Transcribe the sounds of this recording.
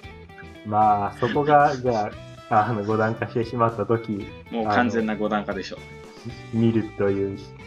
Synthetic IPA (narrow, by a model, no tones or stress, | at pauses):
maːso̞ko̞ɡad͡ʑaa | anoɡo̞d̪ãŋkaɕi̥t̪e̞ɕimat̪ːat̪o̞kʲi | moːakãnd͡zẽ̞nːaɡo̞d̪ãŋkad̪e̞ɕo̞ | mʲiɾɯ̟t̪o̞jɯ̟ː